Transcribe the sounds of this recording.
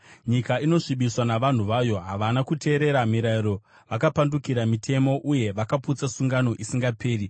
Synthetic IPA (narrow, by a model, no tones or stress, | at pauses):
ɲikaino̞ʂiɓiswanaʋan̤uʋajo̞ɦaʋanakutʰe̞ːɾe̞ɾamiɾaiɾo̞ | ʋakapandukiɾamitʰe̞mo̞ʔuje̞ʋakaput͡sasuŋɡano̞ʔisiŋɡapʰe̞ːri